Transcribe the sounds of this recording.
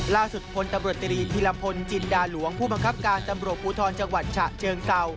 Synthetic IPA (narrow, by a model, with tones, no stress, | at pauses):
laː˥˩su˨˩t̪̚pʰo˧nt̪a˧mɾu˨˩ət̪̚ːi˧ɾiː˧t̪ʰiː˧la˧pʰo˧nt͡ɕi˧ndaː˧lu˩˦əŋpʰuː˥˩ba˧ŋkʰa˦˥p̚kaː˧nt̪a˧mɾu˨˩ət̪̚puː˨˦t̪ʰɔː˧nt͡ɕa˧ŋwa˨˩t̪̚t͡ɕʰa˨˩ʔt͡ɕʰɤː˧ŋka˧w